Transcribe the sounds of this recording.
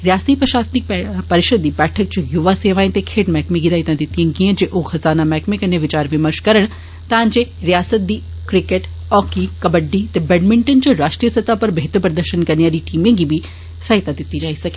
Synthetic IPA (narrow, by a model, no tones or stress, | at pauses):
ɾjaːst̪ipɾɐʃaːst̪nɪk̚pɐɾɪʃəd̪ːibɛːʈʰək̚t͡ʃojuʋaseːʋaːẽt̪ekʰeːʈmɛːkmẽɡid̪aːɦɪt̪ãd̪ɪt̪iẽɡiẽd͡ʒeʔoːxɐzaːnamɛːkmẽkɐɾneʋɪt͡ʃaːɾʋɪməɾʃkɐɾəɽ̃ | t̪ãːnd͡ʒeɾijaːsət̪̚d̪iː | kɾɪkeʈ | ɔːkikɐbəɖːit̪ebɛɖmɪ̃ɳʈənt͡ʃoɾaːʃʈɾijəsɐt̪apɐɾbɐɦɪt̪əɾpɾɐd̪əɾʃənkɐɾnejaːɾiʈiːmẽɡibʱi | sɐɦɪt̪ad̪ɪt̪id͡ʒaːisɐke̥